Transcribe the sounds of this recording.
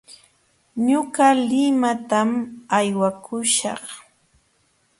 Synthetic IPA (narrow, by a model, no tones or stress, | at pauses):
ɲʊɢalɪmat̪amajwakʰʊʃɑ̰χ